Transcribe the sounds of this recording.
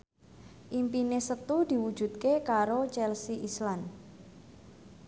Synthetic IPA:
ʔimpinesət̪ud̪̥i̤wud̥ʒ̥ṳd̪̚kekaɾot͡ʃɛlsiʔislan

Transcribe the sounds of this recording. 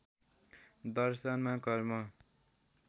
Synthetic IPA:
d̪ʌɾsanmãkʌɾma

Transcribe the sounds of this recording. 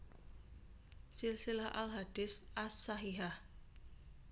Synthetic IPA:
sɪlsilahʔa̰lɦad̥ɪsʔasːaɦiɦah

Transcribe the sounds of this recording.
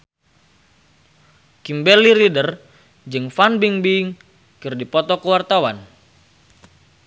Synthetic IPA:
kimbɛliɾidər | d͡ʒɨŋfanbiŋbiŋ | kɨrdipɔt̪ɔkəwart̪awan

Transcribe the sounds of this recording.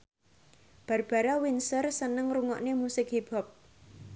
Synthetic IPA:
b̥a̤rb̥a̤ɾawinsərsənəŋruŋɔʔnemusɪkɦib̥a̤p̚

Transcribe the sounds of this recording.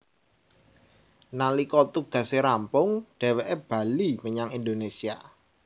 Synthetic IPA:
nalikɔt̪uɡ̥ä̤seɾampʊŋɖ̥ɛ̤wɛʔeb̥a̤liməɲaŋind̪onesia̰

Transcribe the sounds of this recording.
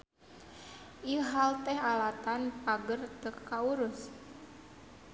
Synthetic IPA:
ʔiɦalt̪ɛɦalat̪anpaɡərt̪əkːauɾʊs

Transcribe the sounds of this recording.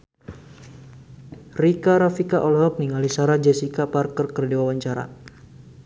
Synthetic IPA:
rikaɾafikaʔɔlɔɦɔp̚niŋalisaɾad͡ʒɛsikaparkərkərdiwawaɲt͡ʃaɾa̰

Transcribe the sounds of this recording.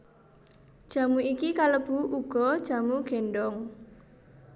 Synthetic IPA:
d̥ʒ̥a̤muikikaləb̥uʔuɡ̥ɔd̥ʒ̥a̤muɡ̥ɛnɖɔŋ

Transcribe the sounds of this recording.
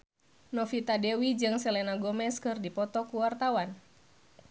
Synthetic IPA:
nɔfit̪adɛwid͡ʒɨŋsɛlɛnaɡɔmɛskɨrdipɔt̪ɔkuwart̪awan

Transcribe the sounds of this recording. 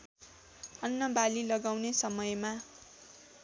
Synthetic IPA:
ʌnːʌbalilʌɡawnesʌmʌjma

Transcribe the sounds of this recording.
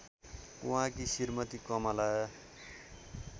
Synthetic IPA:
uɦãkisirmʌt̪ikʌmʌlajʌ

